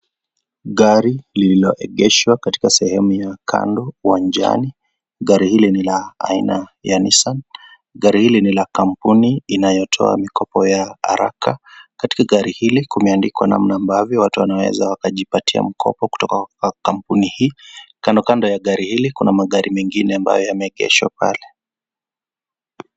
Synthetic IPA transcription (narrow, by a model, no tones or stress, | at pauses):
ɠaɾilililɔʔɛɠɛʃwakati̥kasɛhɛmujakʰa̰ndɔuwand͡ʒa̰ni | ɠaɾihilinilaa̰inajanisan | ɠaɾihilinilakam̩puniinajɔtʰɔ̰a̰mikʰɔpɔjaa̰ɾa̰kakati̥kaɠaɾihilikumɛandikwana̰mnaːmbavjɔwatuwanawɛ̰zawakaʄipatʰia̰m̩kʰɔ̰pɔku̥tɔkaakam̩punihiːkandɔkandɔjaɠaɾihilikunamaɠaɾimɛŋɡinɛamba̰jɔjamɛɠɛ̰ʃwa̰pa̰lɛ